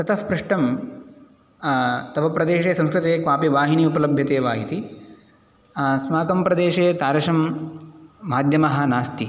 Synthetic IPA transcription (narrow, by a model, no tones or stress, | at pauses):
t̪ɐt̪ʰɐfpɾuʂʈɐm | t̪ɐʋɐpɾɐd̪eːʃeːsɐ̃ŋskɾɪt̪eːkʋaːpiʋaːɦiniupɐlɐbʱjɐt̪eːʋaːɦit̪i | smaːkɐmpɾɐd̪eːʃeːt̪aːɾɐʂɐmː | aːd̪ʱjɐmɐɦɐ̆naːst̪i